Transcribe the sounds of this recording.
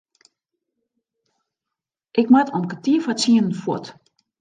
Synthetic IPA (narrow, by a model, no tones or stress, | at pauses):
ʔɪkmatʰɔmkətiːəfat͡siənən̩fwot